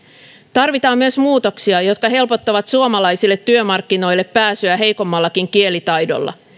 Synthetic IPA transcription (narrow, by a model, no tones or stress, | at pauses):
t̪ɑrʋit̪ɑːmːyøsmuːt̪o̞ksiɑjo̞t̪kɑɦe̞lpo̞t̪ːɑʋɑt̪suomɑlɑjsilːet̪ːyømɑrkːino̞jlːe̞pːæːsyæɦe̞jko̞mːɑlːɑkiŋkie̞lit̪ɑjdo̞̰lːɑ̰